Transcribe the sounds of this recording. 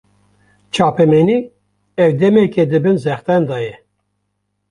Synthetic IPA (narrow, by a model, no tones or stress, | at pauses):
t͡ʃʰɑːpɛmɛni | ɛwd̪ɛmekʰɛd̪ɨbɨnzɛxt̪ɛnd̪ɑːjɛ